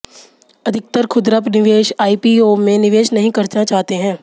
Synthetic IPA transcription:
ɐd̪ʱɪk̚t̪əɾkʰʊd̪ɾəpnɪʋeːʃaːiːpiomẽnɪʋeːʃnɐɦĩkɐɾt͡ʃnat͡ʃaːɦt̪eɦɛ̃ː

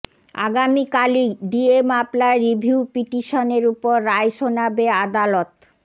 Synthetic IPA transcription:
a̰ɡamikalid̪iemablaɾibʱiupiʈiʃoneɾupoɾːaeʃonabead̪alɔt̪

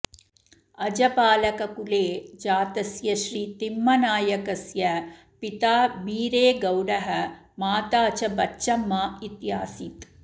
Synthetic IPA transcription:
ɐd͡ʒɐpaːlɐkɐkuleːd͡ʒaːt̪ɐsjɐʃɾiːt̪imːɐnaːjɐkɐsjɐ | pit̪aːbiːɾeːɡɐwɾɐɦɐ | maːt̪aːt͡ʃɐbɐt͡ʃːʃɐmːaːit̪jaːsit̪

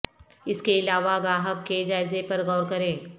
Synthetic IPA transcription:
ɪskeɪlaːʋaɡɾaːɦəkːed͡ʒaːɪzepɐɾɣɔʊɾkɐɾẽː

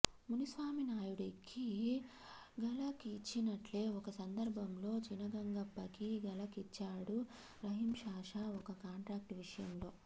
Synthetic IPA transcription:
munisʋaːminaːjuɽikʰːi | ɡɐlɐkːt͡ʃːinɐʈle̞ːɔkɐsɐnd̪ɐɾbʱɐmlo̞ːt͡ʃinɐɡɐŋɡɐpːɐkiɡɐlɐkit͡ʃːaːɽu | ɾɐɦimʃaːʂaɔkɐkaːɳʈɾaːk̚ʈʋiʂɐjɐmlo̞ː

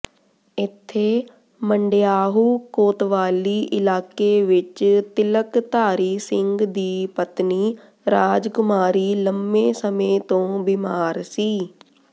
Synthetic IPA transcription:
ɪt̪ʰːeː | məɳɖjaːɦuːkoːt̪ʋaːliːʔɪlaːkeʋɪt͡ʃt̪ɪləkt̪aːɾiːsɪ̃ŋɡd̪iːpət̪niː | ɾaːd͡ʒkʊmaːɾiːləmːẽːsəmẽːt̪õːbimaːɾsiː

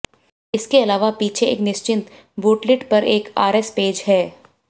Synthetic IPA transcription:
ɪskeɐlaːʋapiːt͡ʃʰeḛːknɪʃt͡ʃɪ̃nt̪ | boːʈlɪʈpɐɾeːka̰ːɾɛspeːd͡ʒɦɛː

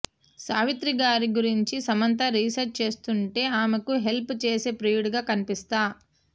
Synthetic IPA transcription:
saːʋit̪ɾiɡaːɾiɡuɾiɲt͡ʃisɐmɐnt̪̬ɐɾiːsɐɾ̚t͡ʃe̞ːst̪uɳʈe̞ːaːmekuɦe̞lput͡ʃe̞ːse̞ːpɾiːuɽɡaːkɐnipist̪aː

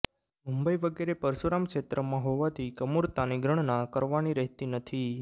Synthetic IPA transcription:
mumbəiʋəɡeɾepəɾʃuɾamkʃet̪ɾəmãɦoʋat̪ʰikəmuɾt̪aniɡɾəɳ̃nãkəɾʋaniɾɛɦt̪inət̪ʰi

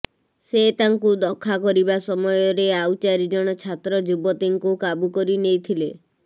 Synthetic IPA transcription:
set̪aŋkud̪ɔkʰːakɔɾibasɔmɔjɔɾeawt͡ʃaɾid͡ʒɔɽ̃ɔt͡ʃʰat̪ɾɔd͡ʒubɔt̪iŋkukabukɔɾinejt̪ʰile

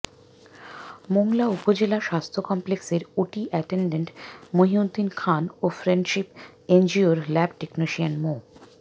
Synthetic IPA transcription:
moŋlaupod͡ʑelaʃast̪ʰokɔmplekseɾuʈiʔɛʈeɳɖeɳʈmoɦiod̪ʱːinkʰanofɾeɳɖʃip | end͡ʑioɾlɛbʈeknoʃianmo

